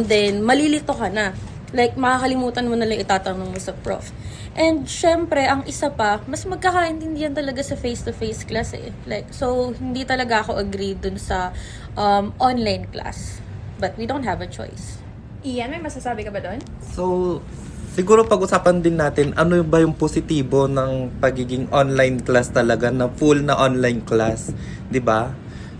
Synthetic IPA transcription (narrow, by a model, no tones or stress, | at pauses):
d̪ɛnmɐlilɪt̪o̞kɐnɐ | lajk̚mɐkakɐlɪmuːt̪ɐnmonɐlɐŋʔɪt̪aːt̪ɐnɐŋmosɐpɹo̰f | ʔɛ̃nd̪̚ʃɛmpɾɛʔɐŋʔɪsapɐmɐsmɐɡ̚kakaʔɪnt̪ɪnd̪ɪjɐnt̪ɐlɐɡasɐfejst̪ʊfejsklasɛ̰ | lajk̚sowhɪnd̪it̪ɐlɐɡaʔɐko̞ʔɐɡɾid̪ʊnsɐ | ʔɐmʔonlajnklʔa̰s | bɐt̪̚wid̪õwnt̪hɐvɐt͡ʃo̰js | ʔɪjanmɐjmɐsasaːbɪkɐbɐd̪on | sow | sɪɡuːɾopɐɡʔʊsaːpɐnd̪ɪnːaːt̪ɪnʔɐnojbɐjʊŋposɪt̪iːbo̞nɐŋpɐɡiːɡɪŋʔonlajnklast̪ɐlɐɡanɐfulnɐʔonlajnklas | d̪ɪba